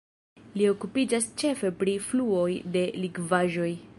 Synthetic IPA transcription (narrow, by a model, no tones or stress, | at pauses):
lio̞kupid͡ʒast͡ʃe̞fe̞pɾifluo̞jde̞liɡvaʒo̞j